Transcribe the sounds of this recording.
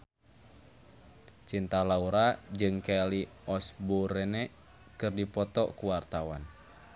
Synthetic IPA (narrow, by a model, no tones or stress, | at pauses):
t͡ʃint̪alauɾad͡ʒɨŋkɛliɔsboɾɛnɛ | kɨrdipɔt̪ɔkuwart̪awa̰n